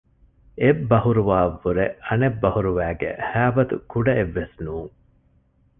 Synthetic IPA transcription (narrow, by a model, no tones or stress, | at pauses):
ebːɐhuɾuʋaːʋːuɾeɐnebːɐhuɾuʋæːɡḛhæːbɐt̪ṵkuɖɐeʋːesnuːŋ